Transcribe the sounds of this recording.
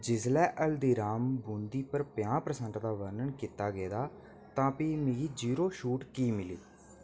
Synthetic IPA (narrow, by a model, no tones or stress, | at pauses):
d͡ʒɪslɛːʔəld̪iːɾaːmbũːnd̪iːpəɾpɪjãːpɾəsənt̪d̪aːʋəɾnəɳkiːt̪aːɡeːd̪aː | t̪ãːpiːmɪ̃ɡiːd͡ʒiːɾoːʃuːʈkiːmɪliː